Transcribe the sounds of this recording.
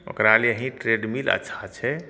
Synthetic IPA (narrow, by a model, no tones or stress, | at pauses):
ə̰kɾaliəɦĩʈɾeːɖmilə̰tːʃʰat͡ʃʰɛ